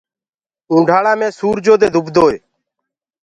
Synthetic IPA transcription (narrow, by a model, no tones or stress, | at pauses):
ũːɳɖʱaːɽãːmẽːsuːɾd͡ʒoːd̪eːd̪ʱʊbd̪ʱoːeː